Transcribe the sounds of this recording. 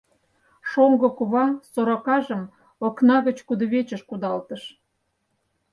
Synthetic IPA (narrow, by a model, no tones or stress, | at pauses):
ʃoŋɡɤ̆kuβɑsoɾokɑʒə̆m | oknɑɣə̆t͡ɕkud̪ə̆βet͡ɕəʃkud̪ɑlt̪əʃ